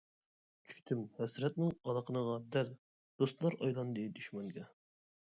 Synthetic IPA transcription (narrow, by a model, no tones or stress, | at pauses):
kʲʰy̥k̚ʲt̪ʰymhɛsɾɛt̪̚nɪŋɑlˠɑqʰənəʁɑd̪ɛl | d̪̥ost̪lˠɑɾɑjlˠɑnd̪ed̪yʃmɛŋɡʲɛ